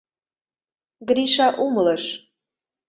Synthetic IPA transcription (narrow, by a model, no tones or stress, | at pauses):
ɡɾiʃɑʔumləʃ